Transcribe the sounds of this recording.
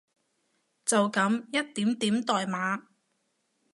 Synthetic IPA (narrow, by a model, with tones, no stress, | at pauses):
t͡sɐ˨wkɐ˨˥mjɐ˥t̚t̪iː˨˥mt̪iː˨˥mt̪ɔː˨jmaː˨˥